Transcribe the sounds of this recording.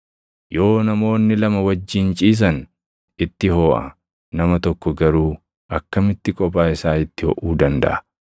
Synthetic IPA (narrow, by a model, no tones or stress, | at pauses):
jo̞ːnɐmo̞ːnːɪlɐmɐwɐd͡ʒːɪnt͡ʃʼiːs̬ɐn | ɪt̪ːɪhoːʔɐ̰ | nɐmɐt̪ɔkːɔɡɐɾuː | ʔɐkːɐmɪt̪ːɪkʼɔpʼaːɪsaːɪt̪ːɪhɔ̰ʔuːd̪ɐnd̪ɐ̰ʔɐ̥